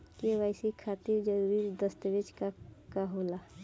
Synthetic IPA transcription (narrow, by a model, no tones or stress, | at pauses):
keʋaːɪsikʰat̪iɾd͡ʒəɾuɾid̪əst̪əbit͡ʃkakaɦola